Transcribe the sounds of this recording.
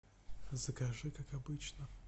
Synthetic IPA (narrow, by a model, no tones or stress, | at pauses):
zəkɐʐɨkakɐbɨt͡ɕnə